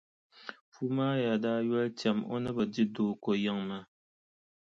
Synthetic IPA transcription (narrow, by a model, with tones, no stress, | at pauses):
fu˦maː˦ja˨da˦jwɛ˦ltja˨mo̰˦nə˦bə˨di˦do˨ko˨ja˦˨ŋma˨